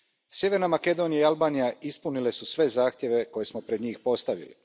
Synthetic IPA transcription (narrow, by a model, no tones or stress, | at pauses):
sjeʋe̞ɾnamake̞d̪o̞nijaialˠbaːnijaispunile̞susʋe̞zaːxt̪je̞ʋe̞ko̞je̞smopɾed̪ɲiːxpo̞st̪aʋḭlḭ